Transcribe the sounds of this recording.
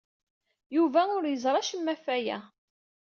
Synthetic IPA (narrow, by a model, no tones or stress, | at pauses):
juvæʊɾjəzɾˤɑʃəmːæfæjæ̰